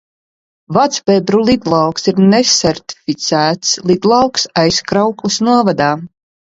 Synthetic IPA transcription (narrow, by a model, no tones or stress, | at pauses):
vat̪sbɛbɾulˠid̪lˠɑwksiɾnɛsɛɾt̪i̥fit̪sæːt̪slˠid̪lˠɑwksajskɾawklisnuɔvad̪aː